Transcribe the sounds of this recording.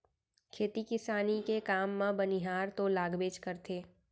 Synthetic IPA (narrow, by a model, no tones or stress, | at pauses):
kʰeːt̪ikɪsaːnikekaːmːãbəniɦaːɾt̪olaːɡbeːt͡ʃkəɾt̪ʰeː